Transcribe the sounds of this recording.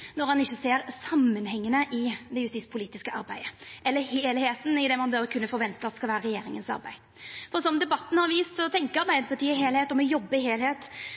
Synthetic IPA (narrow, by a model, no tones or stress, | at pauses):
nɔɾhɑnɪçːəseːɾsɑmːənhɛŋːənəʔɪd̪ɛjʉst̪iːspʰʊliːt̪ɪskəʔɑ̰ɾbæɪd̪əʔɛlːəheːlheːt̪nɪd̪ɛmɑnbøːɾəkʰʉnːəfɔɾʋɛnt̪əɑt̪ɛskɑlʋæːɾəɾɛjeːɾɪŋənsɑ̰ɾbæ̰ɪ | fɔɾsɔmənd̪ɛbɑt̪ːn̩hɑɾʋiːst̪sɔt̪ʰɛŋkəɑɾbæɪət̪̚pʰɑʈ̪ʰiːəɪɦeːlheːt̪ɔmɔjɔbːəɪheːlheːt̪